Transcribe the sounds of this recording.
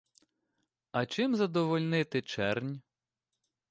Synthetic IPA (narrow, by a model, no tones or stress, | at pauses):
ɐt͡ʃɪmzɐd̪ɔʋɔlʲnɪt̪ɪt͡ʃɛrnʲ